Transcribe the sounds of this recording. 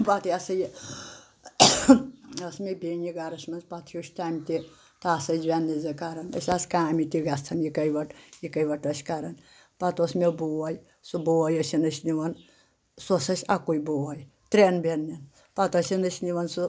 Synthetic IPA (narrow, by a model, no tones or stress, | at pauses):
pat̪ʰjasɐji | ɐsmebʲeniɡaɾɐsmɐnzpat̪ʰjuʃʲt̪amʲt̪ʲi | t̪aːsɐd͡ʒʲʋʲanːizɨkaɾɐnɐ̰sʲaskamit̪iɡast̪ʰɐnjikɐjʋɐʈjikɐjʋɐʈɐsʲkaɾɐn | pat̪osmeboʋaj | subowɐjɐsʲinɐsʲniʋɐn | sosɐsʲakujboʋɐj | t̪ɾenbʲenːin | pat̪ɐsinɐsʲniʋɐnsu